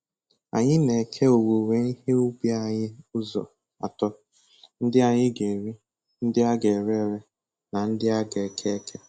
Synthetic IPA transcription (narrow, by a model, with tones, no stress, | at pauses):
a̰˨ɲɪ˦ne˨kʰe˦o˨wo˨we˨ni˦ɦe˦ʊ˦ɡ͡bi˦a˨ɲɪ˦ʊ˦zɔ̰˨ | a̰˨tɔ˦ | n̩˦dɪ˦a˨ɲɪ˦ɡe˨ɾi˦ | n̩˦dɪ˦a˦ɡe˨ɾe˦˨ɾe˦ | na˨n̩˦dɪ˦a˦ɡe˨kʰe˦kʰe˦